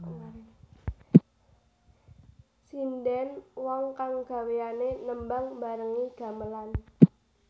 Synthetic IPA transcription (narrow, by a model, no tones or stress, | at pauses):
sindɛnwɔŋkaŋɡ̥a̤weanenəmbaŋba̤ɾəŋiɡ̥a̤məlan